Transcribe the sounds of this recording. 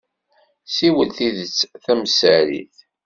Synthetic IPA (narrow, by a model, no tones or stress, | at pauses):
siwəlθiðət͡sːθæmsəɾḭθ